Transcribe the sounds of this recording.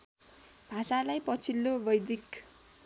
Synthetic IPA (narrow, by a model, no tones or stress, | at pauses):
bʱasalajpʌt͡sʰilːobʌjd̪ik